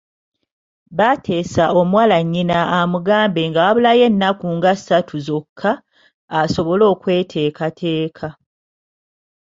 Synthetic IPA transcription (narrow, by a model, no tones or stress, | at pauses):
βatʰe̞ːsaʔo̞mwaːlaɲːinaːmuɡaːmbe̞ŋɡaaβulaje̞nːakuŋɡasatʰuzo̞kʰːaː | so̞βo̞lo̞ːkwe̞ːtʰe̞ːkatʰe̞ːkʰa